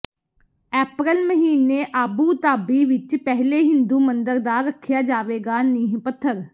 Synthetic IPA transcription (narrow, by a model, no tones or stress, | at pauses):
ɛːpɾəlməɦiːneːʔaːbuːt̪aːbiːʋɪt͡ʃpɛɦleːɦɪ̃nd̪uːmənd̪əɾd̪aːɾəkʰːjaːd͡ʒaːʋeːɡaːniːɦpət̪ʰːəɾ